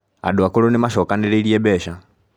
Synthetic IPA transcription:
a̰ɗuakɔlɔnɛmaʃɔkanɛɾɛiliɛbɛʃa

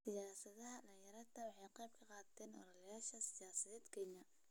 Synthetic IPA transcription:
sɪjaːsɐðɐɦɐɗɐjɐɾɐt̪ʰɐwɑħɑjqɛjb̚kʰɐqɑːt̪ʰɛːnʔɔ̰lɐljaːʃɐsɪjaːsɐðɛːd̪kʰɛɲɐ

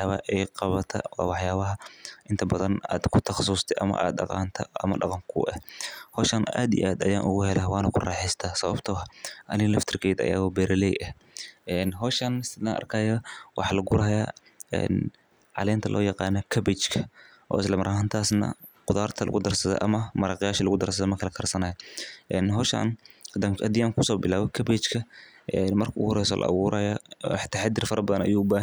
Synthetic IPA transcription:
ħjaːβɐʔɛjqɑβɐt̪ʰɐ̰wɑ̰ːwɑħjaːβɐɦɐʔɪnt̪ʰɐbɐðɐna̰ːd̪kʰʊt̪ʰɐχɑsuːst̪ʰɛʔɐmɐ̰ʔa̰ːd̪ːɑ̰qɑ̰ːnt̪ʰɐʔɐmɐ̰ɖɑqɑŋkʰʊ̰ʔɛ̰hhɔːʃɐna̰ːd̪ḭʔaːd̪ɐjaːnʔʊɣʊhɛlɐwɑːnɐkʰʊrɑːħɛst̪ʰaːsɐβɐbt̪ʰɔːɦʔɐnɪlɐft̪ʰɪrkʰɛjd̪ɐ̰ja̰ːɣɔbɛɾɪlɛjʔɐh | ʔɛnɦɔːʃɐnsɪd̪aʔɐ̰rkʰɐːjɐwʔɑħɑːlɐɡʊɾɐɦɐjaː | ɛ̰n | ʕɑ̰lɛːnt̪ʰɐlʔɔ̰ːjɑqɑːnɔkʰɐbɛt͡ʃkʰɐ | ʔɔ̰ːɪslɐmɐɾʔɐɦaːnt̪ʰaːsnɐ̰qʊðaːrt̪ʰɐlɐ̰ɣʊd̪ɐrsɐðɔ̰ʔɐmɐmɐɾaːqɪjaːʃɐlɐɣʊd̪ɐrsɐðɔmɐkʰɐlɐkʰɐrsɐnɐːjɐʔɛnɦɔːʃɐ̰nd̪ɐ̰d̪ɪjaːŋkʰʊsɔːbɪlaːβɔkʰɐbɛt͡ʃkʰɐʔɛnmɐrkʰɐʊhɔɾɛjsɔ̰ːlʔɐ̰ʔɐ̰wuːɾɐjɐ̰ħt̪ʰːaħad̪ɪrfɐɾɐbɐðɐnɐ̰juːʊbaːɦ

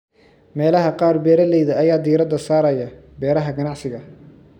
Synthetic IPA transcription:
mɛːlɐɦɐqɑːrbɛːɾɐlɛjðɐɐjaːd̪iːɾɐd̪ɐsaːɾɐjɐ | bɛːɾɐɦɐɡɐnɑʕsɪɣɐ

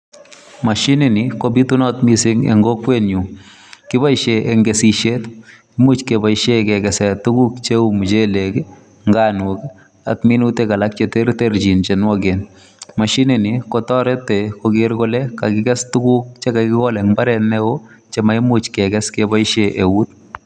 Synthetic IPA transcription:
maʃinɪnɪkobitunɔtmisɪŋḛŋɡokwenɲu | kɪbaiʃeʔeŋɡesiʃet | imut͡ʃkebaiʃekɛkɛsɛtuɡukt͡ʃeumt͡ʃelek | ŋɡanuk | a̰tminutekalak̚t͡ʃeteɾteɾd͡ʒint͡ʃenwɔɡen | maʃinɪnikɔtɔɾɛtekoɡɪɾkolɛkakɪkɛstukuk̚t͡ʃekakɪkɔlɛŋbaɾɛnɛo | t͡ʃemaimut͡ʃkɛɡɛskebaiʃeʔewut̪̚

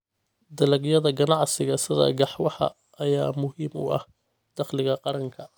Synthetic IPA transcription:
d̪ɐlɐɡjɐðɐɡɐnɑʕsɪɣɐsɪðɐ̰ɡɑħwɑħɑ̰ | ɐjaːmʊhiːmʊ̰ʔɐ̰h | d̪̥ɑχlɪɣɐqɑɾɐŋkʰɐ

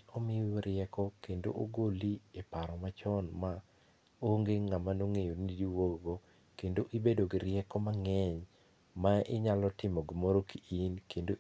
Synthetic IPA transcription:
ɔmɪjɔɾɪɛkɔkendo̰ʔoɡoliepaɾɔmat͡ʃɔnma | oŋɡeŋamanoŋejonidiwoɡo | kendoʔibedoɡiɾɪɛkɔmaŋɛɲ | maɪɲalɔtɪmɔɡmoɾokiʔinkendo

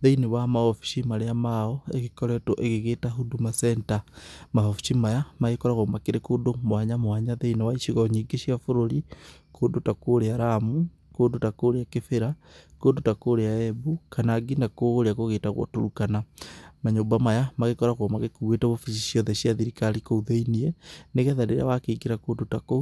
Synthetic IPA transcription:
ðeinewamaofi̥ʃimaɾeamaɔeɣekɔɾɛtoʔeɣeɣeːtaɦudumasɛntamahofi̥ʃimajamaɣekɔɾaɣomakeɾekoːndomwaɲamwaɲaðeinewaiʃiɣaɲiɡeʃiafoɾoɾi | kʰoːndotakoɾeaɾamu | koːndotakoɾeakefeɾakoːndotakoɾeaɛbukanaɡinakoɣɾeakoɣeːtaɣwɔ̰toɾukanamaɲombamajamaɣekɔɾaɣɔmaɣekuɣwetaβofiʃiʃjɔðɛʃiaðiɾikaɾikouðeiniɛneɣɛðaɾeɾa̰wakeiɡiɾakoːndotako

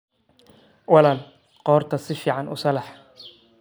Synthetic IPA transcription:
wɑlaːl | qɔːrt̪ʰɐsɪfiːʕɑnʊ̰sɐlɐħ

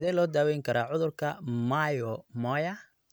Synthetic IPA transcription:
ðɛlɔːd̪aːwɛːjŋkʰɐɾaːʕʊðʊrkʰɐmɐjɔmɔjɐ

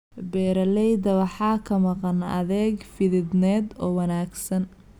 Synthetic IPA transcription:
bɛːɾɐlɛjd̪ɐβɑħɑːkʰɐmɑqɑnɐ̰ðɛːɡfɪðɪd̪nɛːd̪ɔːwɐnaːɡsɐn

